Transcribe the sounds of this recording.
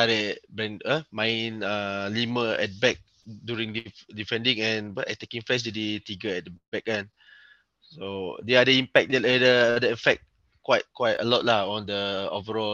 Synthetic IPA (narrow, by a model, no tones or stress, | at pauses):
adɛbɛ̃nəmãj̃naliməɛt̚bɛk̚ | djuɹĩŋdidifɛ̃ndĩŋɛ̃nəɛ̰tekĩŋfɛs̬duditiɡəɛt̚bɛk̚ɛ̃n | sodɛadəĩmpɛk̚dɛtadədəɛfɛk̚t̚ | kwaɪt̚kwaɪtə̰lɔt̚laɔ̃ndəɔvəɹɔ